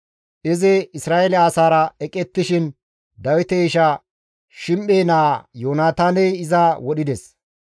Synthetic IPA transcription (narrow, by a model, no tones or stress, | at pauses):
ʔɪzɛɪsɾaːʔɛlɛaːsaːɾɐɛkʼɛt̪ːɪʃɪn | d̪ɐwɪt̪ɛɪʃɐ | ʃɪmʔeːnaːjoːnaːt̪aːnɛjɪzawɔɗɪd̪ɛs